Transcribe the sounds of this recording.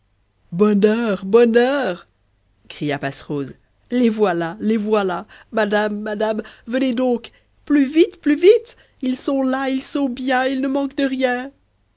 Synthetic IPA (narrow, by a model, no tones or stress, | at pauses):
bɔnœʁbɔnœʁ | kχijapasʁoz | levwalalevwalamad̪amːad̪amvəned̪ɔ̃k | plyvit̪plyvit̪ | ilsɔ̃lailsɔ̃bjɛ̃ilnəmɑ̃kd̪əʁjɛ̃